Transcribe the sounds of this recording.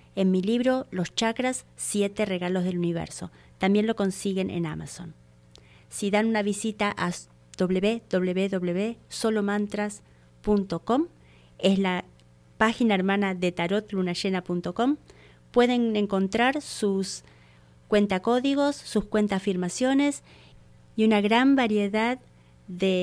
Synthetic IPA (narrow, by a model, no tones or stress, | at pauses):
e̞nmiliβɾo̞lo̞st͡ʃakɾasːje̞t̪ere̞ɣalo̞zð̞e̞luniβ̞ḛɾso̞ | t̪ambje̞nlo̞ko̞nsiɣe̞nʔḛna̰ma̰son | siðanunaβisit̪aʔa | d̪̥o̞βleβeðo̞β̞leβeðo̞βleβeso̞lo̞mãnt̪ɾas | punt̪o̞ko̞m | e̞sla | paxinaeɾmanaðe̞t̪aɾo̞t̪lunaʃenapunt̪o̞ko̞m | pwe̞ðe̞ŋe̞ŋko̞nt̪ɾaɾsus | kwe̞nt̪ako̞ðiɣ̞o̞sːuskwe̞nt̪aːfiɾmasjo̞ne̞s | iunaɣɾambaɾje̞ðað | ðe